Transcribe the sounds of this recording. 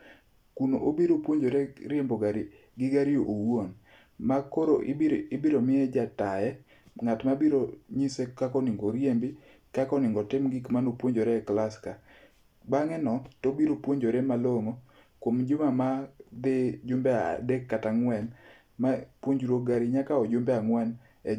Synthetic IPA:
kuno̰ʔobiɾopwoɲd͡ʒoɾɛɾjemboɡaɾi | ɡɪɡaɾijoʔowwon | makoɾoɪbiɾomɪɛd͡ʒatajɛ | ŋatmabiɾoɲisekakɔnɪŋɡoɾjembɪ | kakɔnɪŋɡɔtɪmɡɪkmanopwoɲd͡ʒoɾɛklaska | baŋɛnɔtobiɾopwoɲd͡ʒoɾemaloŋo | kwomd͡ʒʊmamad̪ɪd͡ʒʊmbɛa̰dekːataŋwɛn | mapwoɲd͡ʒɾoɡaɾiɲakaɔd͡ʒʊmbɛaŋwɛn | ɛ

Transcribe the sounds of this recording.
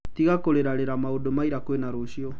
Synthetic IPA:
tiɣakoɾeɾaɾeɾamaodomaiɾakwenaɾoɕiɔ

